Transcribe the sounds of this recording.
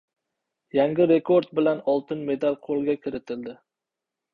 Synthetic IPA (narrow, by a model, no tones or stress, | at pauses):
jaŋɡʲɪɾe̞kʰoɾd̪̚bɪlanɒlˠt̪ɪnme̞d̪alqʰolˠɡʲakʲʰɪɾɪt̪ʰɪld̪ɪ